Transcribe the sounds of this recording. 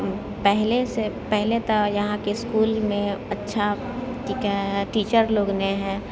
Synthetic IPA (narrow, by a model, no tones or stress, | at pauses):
pɛɦlesepɛɦlet̪ajɐɦãkeɪskuːlmẽɐtːʃʰa | ʈikaɦɛʈiːt͡ʃəɾloːɡneɦɛː